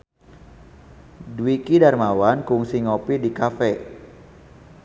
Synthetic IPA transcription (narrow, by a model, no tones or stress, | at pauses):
dwikidarmawankuŋsiŋopidikafɛ